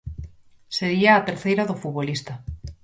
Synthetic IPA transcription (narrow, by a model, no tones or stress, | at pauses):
seɣiaːt̪eɾθejɾaðofuβolist̪a